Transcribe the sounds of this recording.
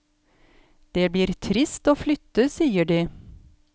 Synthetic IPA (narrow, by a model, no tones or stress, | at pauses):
d̪̥eːbliːɾt̪ʰɾɪst̪oːflʏt̪əsiːəɖiː